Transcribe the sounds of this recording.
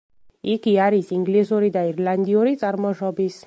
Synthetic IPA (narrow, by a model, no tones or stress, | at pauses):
ikiaɾisiŋɡlisɔɾid̪aiɾland̪iɔɾit͡s̪ʼaɾmɔʃɔbis